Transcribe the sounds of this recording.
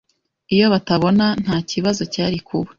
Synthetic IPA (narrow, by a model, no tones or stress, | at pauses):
ijo̞βataβo̞nan̥haːciβazo̞caːɾikʰuβe̥